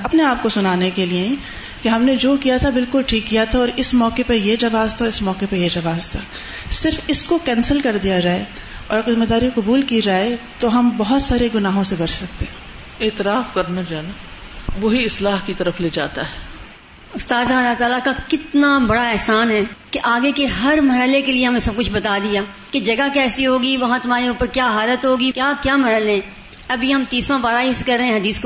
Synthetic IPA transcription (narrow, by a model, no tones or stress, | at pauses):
ɐpneaːp̚kosʊnaːnekelieɛ̃ | keɦɐmned͡ʒoːkijat̪ʰabɪlkʊlʈʰiːkːijat̪ʰaɔːɾɪsmɔːkepɐjed͡ʒɐʋaːzt̪ʰaɪsmɔːkepɐjed͡ʒɐʋaːzt̪ʰaː | sɪɾfɪskokɛ̃ːnsəlkɐɾd̪ijad͡ʒaːe | ɔːɾxɪməd̪aːɾiqʊbuːlkid͡ʒaːet̪oɦɐmbɐɦʊt̪saːɾeɡʊnaːɦõsebɐɾsɐk̚t̪eː | eːt̪ɪɾaːfkɐɾnad͡ʒaːna | ʋoɦiɪslaːɦkit̪ɐɾəfleːd͡ʒa̰ːt̪aɦɛː | ʊst̪aːzaɐlːat̪aːlakakɪt̪nabɐɽaɛːsaːnɦɛːkeʔaːɡekeɦɐɾmɐɾəlekelieɦɐmẽsɐb̚kʊt͡ʃʰbɐt̪ad̪ijaː | ked͡ʒɐɡakɛːsiɦoːɡiʋɐɦãt̪ʊmaːɾeuːpəɾkjaːɦaːlət̪ɦoːɡikjaːkjaːmɐɾɦəlɛ̃ː | ɐbʱiɦɐmt̪iːsãbaːɾaiskɐɾːẽɛ̃ɦɐd̪iːsk